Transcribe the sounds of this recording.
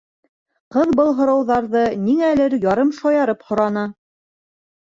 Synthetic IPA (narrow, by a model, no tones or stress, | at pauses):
qɤðbɤlˠɦŏɾɑwðɑɾðɤniŋælɘɾjɑɾɤmʃɑjɑɾɤphŏɾɑnɤ